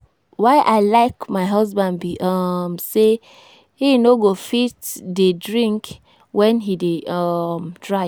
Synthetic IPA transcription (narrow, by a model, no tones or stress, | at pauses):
waɪʔaɪlaɪkmaɪɦɔzbãndbiʔamse | hinoɡofitdedɹĩŋk | wɛ̃nɦideamdɹa